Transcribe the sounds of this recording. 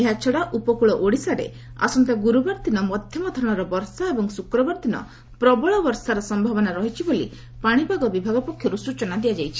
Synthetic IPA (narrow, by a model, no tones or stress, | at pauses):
eɦat͡ʃʰɔɽaʔupɔkuɭɔʔoɽisaɾḛ | a̰sɔnt̪aɡuɾubaɾt̪inɔmɔd̪ʱjɔmɔd̪ʱɔɾɔ̃ɽ̃ɔɾɔbɔɾsaebɔŋsukɾɔbɔɾt̪inɔ̰ | pɾɔbɔɭɔbɔɾsaɾɔsɔmbʱabɔnaɾɔɦit͡ʃʰibolḭ | paɽ̃ibʱaɡɔbibʱaɡɔpɔkʰjɔɾusut͡ʃɔnad̪iad͡ʒajt͡ʃʰi̥